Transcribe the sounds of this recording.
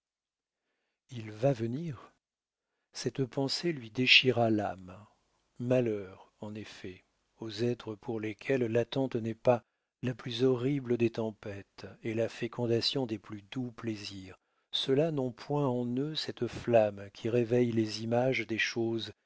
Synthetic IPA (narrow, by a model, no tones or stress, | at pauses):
ilvavəniʁ | sɛt̪pɑ̃selɥid̪eʃiʁala̰m | malœʁ | ɑ̃nefɛ | ozɛt̪χəpʰuʁlekʲʰɛlːat̪ɑ̃t̪nɛpa | laplyzɔʁibləd̪et̪ɑ̃pɛt̪elafekʰɔ̃d̪asjɔ̃d̪eplyd̪upleziːʁ | səlanɔ̃pʰwɛ̃ɑ̃nøsɛt̪flamkʲʰiʁevɛjlezimaʒd̪eʃoz